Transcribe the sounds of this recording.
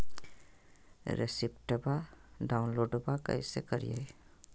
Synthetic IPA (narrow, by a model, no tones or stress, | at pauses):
ɾʔḛsipʈəbaɖaʊnloːɖbakə̰jsekəɾḭjḛj